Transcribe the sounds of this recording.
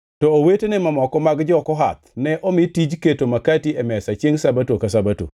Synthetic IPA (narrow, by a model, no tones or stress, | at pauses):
tɔowetenemamɔkɔmaɡd͡ʒɔkɔɦa̰t̪nɛʔɔmɪtid͡ʒketomakatiɛmɛsat͡ʃjeŋsabatokasabato̰